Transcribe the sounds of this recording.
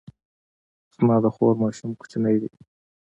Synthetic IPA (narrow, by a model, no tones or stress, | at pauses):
z̥mɑd̪əxoɾmɑʃʊmku̥t͡ʃanəjd̪ḭ